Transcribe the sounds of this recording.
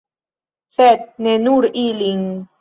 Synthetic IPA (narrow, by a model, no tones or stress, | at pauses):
θɛt̪̚nenuɾiliŋ